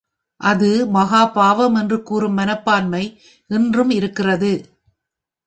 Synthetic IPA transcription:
ʔɐðɯmɐɣaːpaːʋɐmɛndrɯkuːrɯmːɐnɐpːaːnmɐɪ | ʔɪndrɯmɪɾɯkːɪrɐðɯ

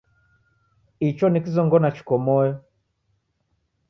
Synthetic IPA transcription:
it͡ʃɔnikizɔŋɡɔnat͡ʃi̥kɔmɔjɔ

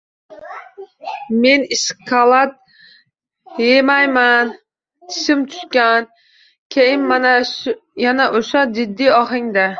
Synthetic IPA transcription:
me̞niskʰalˠat̪̚ | jemajman | t̪ʰɪ̥sɪmt̪ʰʊ̥ʃkʲan | kʲʰejɪnmanajanaʔoʃad͡ʒɪd̪ːɪɒχɪŋd̪a

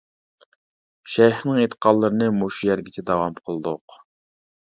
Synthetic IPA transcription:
ʃɛjχnɨŋet̪ʰə̥qʰɑlˠːəɾɨnɨmoʃujɛɾɡʲɪt͡ʃʰɛd̪ɑwɑmqʰəlˠɨd̪ʊq

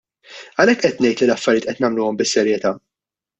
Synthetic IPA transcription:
ɐlɛkːʔɛt̪nɛjt̪lilɐfːɐɾjɪt̪ʔɛt̪nɐmluːɔmbɪsːɛɾjɛt̪ɐː

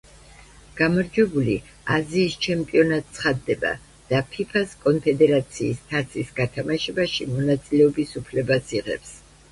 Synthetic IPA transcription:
ɡ̥amaɾd͡ʒwɛbuli | aziːst͡ʃʰɛmpʼiɔnat̪̚ʼsʰχad̪ːɛba̰ | d̪̥apʰipʰaskʼɔnpʰɛd̪ɛɾat̪sʰiːst̪ʰat̪sʰisɡat̪ʰamaʃɛbaʃimɔnat̪sʼilɛɔbisupʰlɛbasiʁɛ̰ps

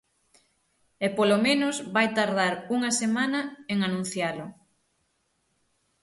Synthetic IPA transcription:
ɛpolomẽnʊzβajt̪aɾðaɾuŋɐsemanɐeŋanũn̟θjalʊ

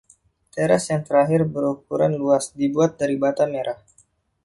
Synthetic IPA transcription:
t̪eɾasjaŋt̪əɾaɦɪrbəɾuk̚uɾanluasdibuat̪̚daɾibat̪ameɾʔah

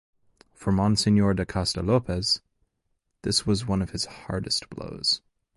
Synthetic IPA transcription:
fə˞mɑ̃nsɪ̃njɔɹdəkʰastəlopɛz̥ | ðɪswʌzwʌ̃nʌv̥ɨz̥hɑ̰ɹdɨst̚b̥lo̰ʊz̥

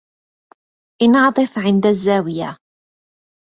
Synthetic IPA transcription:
ʔɪnʕɑt̪ˤɨfʕɪnd̪azːaːwɪja̰

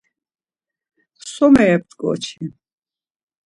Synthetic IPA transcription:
sɔmɛːp̚t̪ɡɔ̰t͡ʃʰin

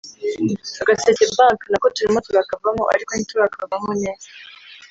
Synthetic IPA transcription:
aɡasecebaŋknakotuɾimotuβakavamoʔa̰ɾikonituβakavamone̞ːza

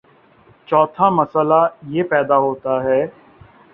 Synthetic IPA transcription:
t͡ʃɔːt̪ʰaməsəlajeːpɛːd̪aːɦoːt̪aɦɛː

